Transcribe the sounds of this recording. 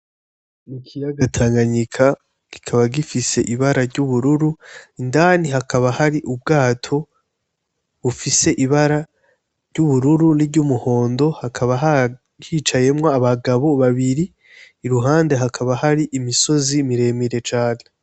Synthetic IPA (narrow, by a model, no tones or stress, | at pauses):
nikʰijaɡatʰaːŋɡaɲikʰa | ɡ̥i̥kʰaβaɡifise̞ʔiβaɾaɾɟuβuɾuɾuindaːniɦakʰaβahaɾiʔub̚ɡaːtʰo̞ | βufise̞ʔiβaɾa | ɾɟuβuɾuɾuniɟumuho̞ːndo̞hakʰaβaɦa | jiːt͡ʃaje̞mŋoaβaɡaβo̞βaβiɾiː | ɾuɦaːnde̞ɦakʰaβahaɾiʔimiso̞zimiɾe̞miɾe̞t͡ʃaːne̞